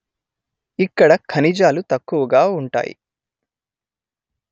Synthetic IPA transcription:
ikːɐɽɐkʰɐnid͡ʒaːlut̪ɐkːuʋɐɡaːuɳʈa̰ːjḭ

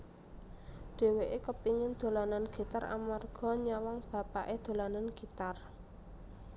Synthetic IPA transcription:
ɖ̪̥e̤weʔekəpiŋɪnd̪̥o̤lananɡ̥i̤t̪ara̰marɡ̥ɔ̤ɲawaŋb̥ä̤paʔed̪̥o̤lananɡ̥i̤t̪ar

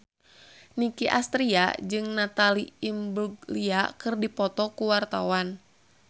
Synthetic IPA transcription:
nikiʔast̪ɾia̰d͡ʒɨŋnat̪aliimbuɡliakɨrdipɔt̪ɔkuwart̪awan

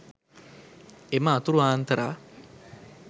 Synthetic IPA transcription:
eməːt̪uɾuaːnt̪əɾaː

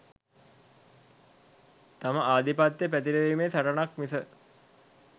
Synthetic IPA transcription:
t̪aməʔaːd̪ipat̪ːjəpæt̪̬iɾəʋimeːsaʈənakmisə

